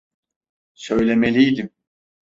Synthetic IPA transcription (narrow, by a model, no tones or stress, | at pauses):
sø̞jlʲemelʲijd̪im